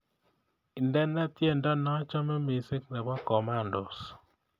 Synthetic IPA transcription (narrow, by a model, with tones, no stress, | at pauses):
i˨ndɛ˦nɛ˦tje˦˨ndɔ˦nɔ˦t͡ʃɔ˦mɛ˦me˨se˦kna˨bɔ˦kɔ˨ma˦˨ndɔ̰˨s